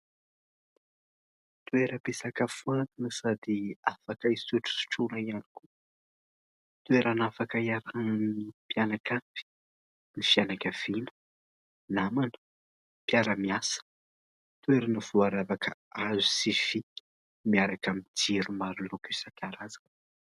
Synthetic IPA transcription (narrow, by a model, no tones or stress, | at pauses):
t̪ueɾəpesakafuant̪inəsad̪iafakaiseʈ͡ʂu̥si̥ʈ͡ʂuɾaianiku | t̪weɾanafakaiaɾannnipjanakavi̥ | nifianakʲav̥inə̥ | namanə̥ | piaɾəmiasə̥ | t̪ueɾanəv̥uaɾavakəazusifi | miaɾakamid͡ʒiɾumaɾulokesakʲaɾazan